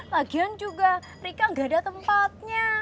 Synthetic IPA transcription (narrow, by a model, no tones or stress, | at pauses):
laɡiand͡ʒuɡa | rekaŋɡadat̪əmpat̪̚ɲa